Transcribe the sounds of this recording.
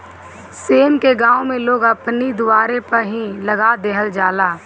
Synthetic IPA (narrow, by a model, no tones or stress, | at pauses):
seːmkeɡãːõmẽloːɡəpnid̪ʊaːɾepəɾɦĩləɡad̪eːɦəld͡ʒaːlaː